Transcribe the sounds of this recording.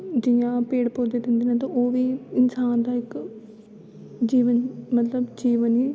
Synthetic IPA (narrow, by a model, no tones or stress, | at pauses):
d͡ʒɪjãːpeːɽpoːd̪eːd̪ɪ̃nd̪iːnãːt̪ãːoːʋiːɪnsaːnd̪aːɪk | d͡ʒiːʋənmət̪ləbd͡ʒiːʋəniː